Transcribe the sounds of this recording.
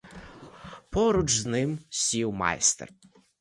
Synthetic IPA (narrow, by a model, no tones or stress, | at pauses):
pɔɾʊd͡ʒznɪmsʲiwmɑ̰jst̪ḛr